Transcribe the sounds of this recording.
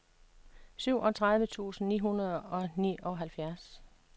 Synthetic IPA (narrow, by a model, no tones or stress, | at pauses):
syʊ̰ʔɒ̽t͡sʰʁað̞ˠʋət͡sʰṵːsn̩nḭːɦunɐð̞ˠɒ̽nḭːʔɒ̽ɦælfjæɐs